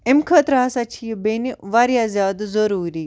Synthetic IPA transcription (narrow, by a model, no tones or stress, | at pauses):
emkʰət̪ɾɐɦasat͡ʃʰijbeniʋaːɾjazjaːd̪zəɾuːɾiː